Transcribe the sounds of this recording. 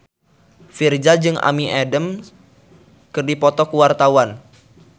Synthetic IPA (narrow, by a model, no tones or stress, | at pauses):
fird͡ʒad͡ʒɨŋʔa̰miʔɛdəm | kɨrdipɔt̪ɔkuwart̪awan